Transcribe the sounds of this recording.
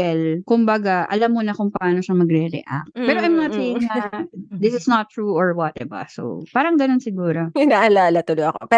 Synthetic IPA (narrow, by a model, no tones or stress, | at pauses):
ɛlkʊmbɐɡaʔɐ̰lamːonɐkʊŋpɐʔaːnoʃɐmɐɡɾɛɾɛ̰ʔa̰k̚t̪̚pɛːɾoʔɐjmɐŋɐt̪ijɪŋnɐd̪ɪsɪsnɐt̪ːɹuʔoɹwɐt̪̚ɛbɐ̰so̰paːɾɐŋɡɐno̞nsɪɡuːɾoɪnaːʔɐlaːlɐt̪ʊlojɐko̰pɛ